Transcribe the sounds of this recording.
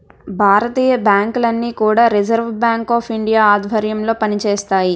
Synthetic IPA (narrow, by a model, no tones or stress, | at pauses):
bʱaːɾɐt̪iːjɐbjaːŋkulɐnːiːkuːɽaːɾid͡ʒɐɾʋɐbjaːŋkaːpʰiɳɖijaːaːd̪ʱbʱɐɾjɐmlo̞ːpɐnit͡ʃeːst̪aːji